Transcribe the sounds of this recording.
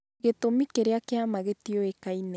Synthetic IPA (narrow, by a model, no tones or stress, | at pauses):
ɣetomikeɾeakeamaɣetioekaine